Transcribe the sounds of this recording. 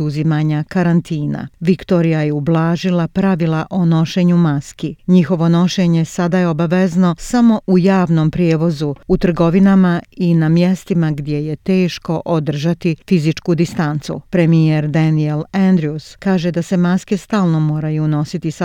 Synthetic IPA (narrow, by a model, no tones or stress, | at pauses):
uzimaɲakaɾant̪iːna̰ʋikt̪o̞ɾijajeublˠaːʒilapɾaʋilˠaʔo̞no̞ʃe̞ːɲumaskiɲixo̞ʋo̞no̞ʃe̞ɲe̞sad̪ajeo̞baʋe̞zno̞samo̞ʔujaːʋno̞mpɾjeːʋo̞zuut̪r̩ɡo̞ʋinamainamje̞st̪imaɡd̪ʲje̞je̞t̪e̞ːʃko̞ʔod̪r̩ʒat̪ifizit͡ʃkud̪ist̪ant̪sṵpɾe̞mijeɾd̪anieland̪ɾiuskaːʒe̞d̪ase̞maske̞st̪aːlˠno̞mo̞ːɾajuno̞sit̪isa